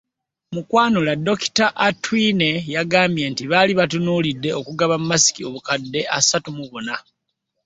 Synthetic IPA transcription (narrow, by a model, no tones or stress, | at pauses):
mukwaːnulado̞ki̥taʔatwine̞jaɡaːmbje̞ntiβaːliβatunuːlidːe̞okuɡaβamːasi̥kio̞βukadːe̞ʔasatumuβuna